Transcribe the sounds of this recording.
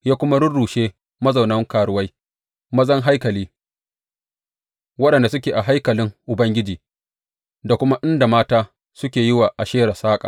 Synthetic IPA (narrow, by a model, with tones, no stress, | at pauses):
jaː˦kʷʊ˦ma˦ɽʊ˦rɽuː˨ʃeː˦ | mɐ˦za˨wnɐ˦ŋkaː˨ɽʊ˦wɐ˦j | mɐ˦zɐ˦ŋɦa˦jkɐ˨liː˦ | wɐ˦ɗɐ˨nda˨s̬ʊ˦kʲeː˨ʔa˨ɦa˦jkɐ˨lɪ˦ŋʔʊ˨bɐ˦ŋɡʲɪ˦d͡ʒiː˨ | da˨kʷʊ˦ma˦ʔɪ˦nda˨maː˦taː˦ | sʊ˦kʲeː˨jɪ˦waː˨ʔa˨ʃeː˦ɽa˨saː˦kʼa̰ː˨